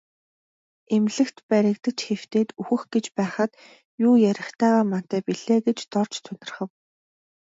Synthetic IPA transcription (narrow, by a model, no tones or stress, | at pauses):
emɮɘ̆kt̪pæɾʲɪ̆kt̪ə̆kt͡ɕxew̥t̪eːt̪uxɘ̆xɡ̥et͡ɕpæːχə̆t̪ | jʊːjæɾʲɪ̆χt̪ʰæːʁaːman̥t̪æːpiɮeːɡet͡ɕt̪ɔr̥t͡ɕt̪ʰɵnt̪ɪ̆rχə̆w